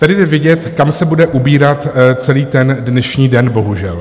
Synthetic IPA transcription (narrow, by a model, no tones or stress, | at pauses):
t̪adɪdɛvjɪɟɛt̪kamsɛbudɛʔubiːɾat̪t͡sɛliːt̪ɛndnɛʃɲiːdɛnbo̞ɦuʒɛl